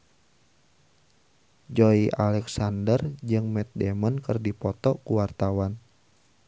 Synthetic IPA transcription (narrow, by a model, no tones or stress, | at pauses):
d͡ʒɔiʔalɛksandərd͡ʒɨŋmɛt̪̚dɛmənkɨrdipɔt̪ɔkuwart̪awan